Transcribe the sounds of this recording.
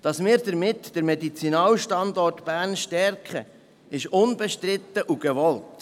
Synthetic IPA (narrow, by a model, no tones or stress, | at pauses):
d̥ɑsmɪːɾdəɾmɪtd̥əɾmɛdit͡sinɑːlʃtɑndɔrtb̥æːrnʃtɛrkχə̰ | ɪʃʊnbɛʃtɾɪt̪ːəʔuɡ̥ɛʋɔlt